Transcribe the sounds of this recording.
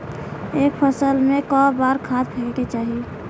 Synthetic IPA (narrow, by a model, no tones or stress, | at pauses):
eːk̚pʰəsəlmẽkɔbaɾkʰad̪̚pʰeket͡ʃaːɦi